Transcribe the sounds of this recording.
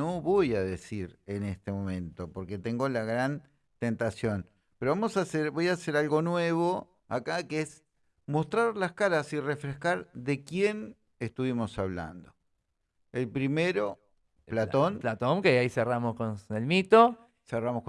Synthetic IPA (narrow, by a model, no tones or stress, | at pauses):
oβo̞jaðesiɾenest̪emõ̞mẽ̞nt̪o̞poɾket̪e̞ŋɡo̞laɣɾan | t̪ent̪asjo̞n | peɾoβamo̞saseɾβo̞jase̞ɾalɣo̞nwe̞βo̞ | akakees | mo̞st̪ɾaɾlaskaɾasirefɾehkaɾðekje̞n | est̪uβimo̞saβ̞la̰nd̪o | elpɾimeɾo̞ | plat̪onplat̪oŋkeaiseramoskonelmit̪o | seramohk